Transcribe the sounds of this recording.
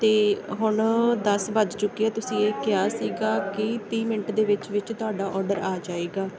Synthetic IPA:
t̪eːɦʊɳd̪əsbəd͡ʒt͡ʃʊkːiaːt̪ʊsĩːeːkɪjaːsiːɡaːkɪt̪iːmɪɳʈd̪eːʋɪt͡ʃʋɪt͡ʃt̪ʊɦaːɖaːʔɔːɾɖəɾaːd͡ʒaːeːɡaː

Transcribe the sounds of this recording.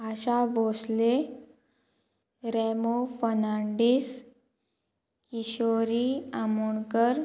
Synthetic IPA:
aɕabosle | ɾemofənaɳɖis | kiɕoɾiamuɳkəɾ

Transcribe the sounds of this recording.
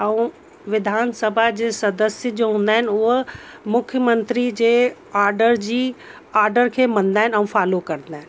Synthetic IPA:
ɐũ | ʋɪd̪ʱaːnsəbʱad͡ʑeːsɐd̪əsjəd͡ʑoːɦũːn̆d̪aːɦɪn̆ʊɦ | mʊkʰjəmə̃nt̪ɾid͡ʑeː | aːɾɖəɾd͡ʑiː | aːɾɖəɾkʰeːmɐ̃n̆d̪aːɦɪnɐ̃ũːfaːlokɐɾə̃nd̪aːɦɪn

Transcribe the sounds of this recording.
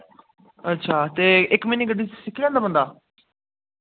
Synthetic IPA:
ətːʃʰaːt̪eːɪkmĩniːɡəɖiːssɪkʰːilɛ̃ːnd̪aːbənd̪aː

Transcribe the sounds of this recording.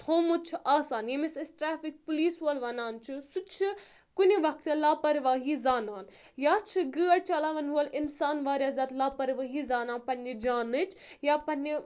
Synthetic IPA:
t̪ʰoːmut͡ʃʰiʔaːsaːnjemisɐsʈɾaːfik̚puliːsɦolʋɐnaːnt͡ʃʰisut͡ʃʰi | kuniʋɐk̚t̪ilaːpɐɾʋaːɦizaːnaːn | jaːt͡ʃʰiɡəːɐɽt͡ʃɐlaːʋɐnɦuɐlinsaːnʋaːɾʲjaːzʲaːt̪laːpɐɾʋaːɦizaːnaːnpɐnʲid͡ʒaːnɨt͡ʃʰjaːpɐnʲːi

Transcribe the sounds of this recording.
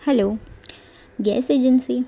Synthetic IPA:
hɛlo | ɡiɛ̰sed͡ʒɛnsi

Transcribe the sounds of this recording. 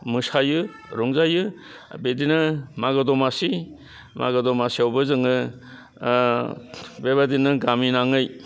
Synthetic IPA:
mɯsajɯ | ɾɔŋzajɯ | bedinɯmaɡɯdɔmasi | ma̰ɡɯdɔmasiawbɯzɯŋɯ | bebadinɯɡaminaŋɯj

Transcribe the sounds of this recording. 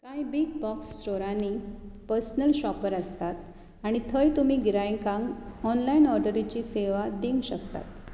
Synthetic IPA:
kajbiɡ̚bɔkst͡ɕoɾanipəɾsnəlɕɔpəɾəst̪at̪ | aɽ̃it̪ʰəjt̪um̤iːɡiɾajŋkãŋɡɔnlainɔɾɖəɾit͡ɕiːseʋad̪iŋɡɕəkt̪a̰t̪

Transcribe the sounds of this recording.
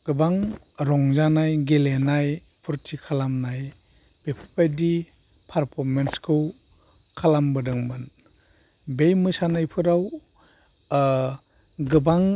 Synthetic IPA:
ɡ̥ɯbaŋ | ɾɔŋzanajɡelenaj | pʰuɾtʰikʰalamnaj | b̥epʰɯ̥pajdi | pʰaɾpʰɔɾmenskʰɯw | kʰalambɯdɯŋmɯn | bejmɯsanajpʰɯɾaw | ɡɯbaŋ

